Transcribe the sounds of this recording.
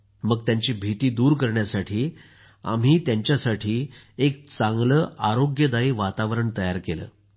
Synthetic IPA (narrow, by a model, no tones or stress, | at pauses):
məɡ̚t̪jaɲt͡ɕiːbʱit̪iːd̪uːɾkəɾɳjasaʈʰiː | a̰m̤iːt̪jaɲt͡ɕjasaʈʰiː | ek̚t͡sãŋɡləːʔaɾoɡjəd̪aiːʋat̪aʋɾəɳt̪əjaɾkelə̰ː